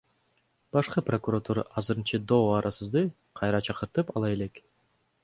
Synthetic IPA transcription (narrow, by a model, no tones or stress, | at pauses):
b̥ɑʃqɯprokurot̪uɾɑ̰ʔɑzɯɾɯnt͡ʃɑd̪oːɑɾʔɑsɯzd̪ɯ | qʰɑjɾɑt͡ʃʰɑqɯɾt̪ɯpɑlˠɑe̞le̞k